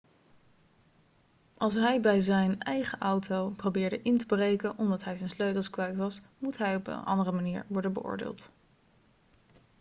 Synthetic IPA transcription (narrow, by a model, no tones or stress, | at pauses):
ʔɑlˠs̬ɦɛjbɛjzɛjnɛjχəʔɑwtowprowbɪːɹdəʔɪntəbrejkənʔɔmdɑtɦɛjzɛjnsløɥtlˠskʋɛjtʋɑsmutɦɛjɔpə̰nʔɑ̰ndərəmaniːɹʋɔɹdənbə̰ʔʊ̰ːɹdɪ̰ːlˠt